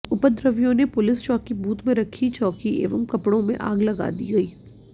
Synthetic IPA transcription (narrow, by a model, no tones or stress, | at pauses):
ʊpəd̪ɾəʋjõnepʊlɪst͡ʃɔːkibuːt̪mẽɾɐkʰit͡ʃɔːkiʔḛːʋəmkɐpɽõmḛ̃ʔa̰ːɡlɐɡa̰ːd̪ḭɡɐiː